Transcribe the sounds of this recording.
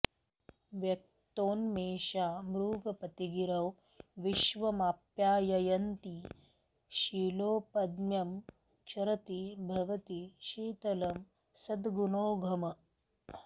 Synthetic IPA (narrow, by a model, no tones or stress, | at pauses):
ʋjɐk̚ | t̪oːnmeːʃaːmɾuːɡɐpɐt̪iɡiɾɐw | ʋiʃʋɐmaːpjaːjɐjɐnt̪i | ʃiːloːpɐd̪mjɐm | t͡ʃʰɐɾɐt̪ibʱɐʋɐt̪iʃiːt̪ɐlɐm | sɐd̪ɡunoːɡʱɐmɐ